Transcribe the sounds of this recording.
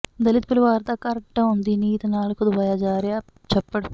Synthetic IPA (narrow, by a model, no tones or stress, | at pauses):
d̪ɐlit̪̚puluʋaːɾt̪aːkɐɾɐk̚ʈɐund̪iniːt̪ɐnaːlukud̪ubɐjaːd͡ʒaːɾjaː | t͡ʃɛpːɐɽu